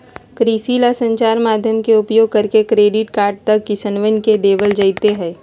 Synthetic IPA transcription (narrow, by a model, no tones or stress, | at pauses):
kɾiːsiːlasə̃ɲt͡ʃaːɾmaːd̪ʱjəmkeʊpjoːɡ̚kɐɾkekɾeːɖɪʈkaːɾɖ̚t̪ɐkːɪsənʋənked̪eːʋəld͡ʒɐit̪eɦɛ̃ː